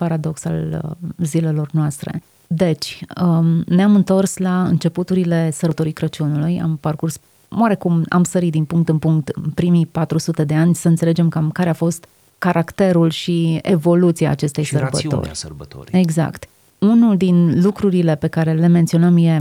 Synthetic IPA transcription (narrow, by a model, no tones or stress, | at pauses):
paɾad̪o̞ksa̰lzile̞lo̞rnoast̪ɾe̞̰ | d̪e̞t͡ʃʲəneamɨnt̪o̞rslaɨ̰nt͡ʃe̞put̪uɾile̞sərət̪o̞ɾikɾət͡ʃunuluja̰mparkurs | o̰aɾe̞kuma̰msəɾit̪̚d̪inpuŋkt̪ɨnpuŋk̚t̪ɨpɾimipat̪ɾusut̪e̞d̪eanʲsəɨnt̪sele̞d͡ʒe̞mkamkaɾeafo̞st̪ | kaɾʔakt̪e̞ɾulʃiḛvo̞lut̪siaːt͡ʃe̞st̪e̞jsəbə̰t̪o̰ɾərbət̪o̰e̞ɡza̰kt̪ | unuld̪inlukɾuɾile̞pe̞kaɾe̞le̞me̞nt̪sio̞nəmje̞